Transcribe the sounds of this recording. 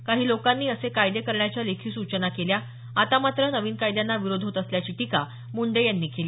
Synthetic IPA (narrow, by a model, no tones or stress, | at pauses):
kaɦiːlokanːiːəsekajd̪ekəɾɳjat͡ɕjalekʰiːsut͡ɕənakelja | at̪amat̪ɾənəʋiːnkajd̪janːaʋiɾod̪ʱɦot̪əsljat͡ɕiːʈika | muɳɖejanːiːkeliː